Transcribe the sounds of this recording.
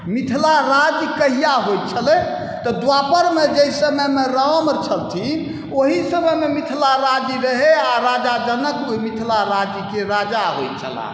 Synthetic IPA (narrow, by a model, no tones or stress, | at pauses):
mit̪ʰlaɾad͡ʒkəɦijaɦojt̪̚t͡ʃʰəlɛ | t̪ɔd̪wapəɾmed͡ʒəjsəmemeɾəɦməɾt͡ʃʰəlt̪ʰi | oɦisəməmemit̪ʰlaɾad͡ʒiɾəɦeaɾad͡ʒad͡ʒənəkomit̪ʰlaɾad͡ʒkeɾad͡ʒaɦojt̪̚t͡ʃʰə̰la̰